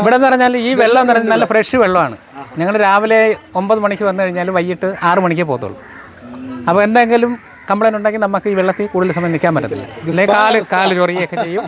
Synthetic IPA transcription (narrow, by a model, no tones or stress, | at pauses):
iʋiɽenːɨpɐrɐɲːaːliːʋeɭːɐmenːpɐrɐɲːnɐlːɐfreʂɨʋeɭːɐmaːɳɨ̰ | ɲɐŋːɐɭɾaːʋile̞o̞mbɐðɨmɐɳikʲːɨʋɐnːɨkɐɻiɲːaːlumʋɐjːiʈːɨaːrɨmɐɳikʲːɨpo̞ːt̪uɐ̰ɭːṵ | ɐpːoːe̞nd̪aːeŋɡilum | kɐmbɐɭɐnuɳɖaːkːinɐmːɐkːɨiːʋeɭːɐt̪ːikuːɽiðilsɐmɐnd̪ikʲːaːmpɐɾːunːḭlːɐ̰lːekaːlɨkaːlɨt͡ɕorijiokːet͡ɕe̞jːum